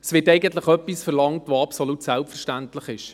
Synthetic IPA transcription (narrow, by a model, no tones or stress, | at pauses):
ɛsʋɪːɾtɛɪɡəntləχœpːisfɛɾlɑŋtʋoɑpsolutsælpfəɾʃtæntləχɪʃ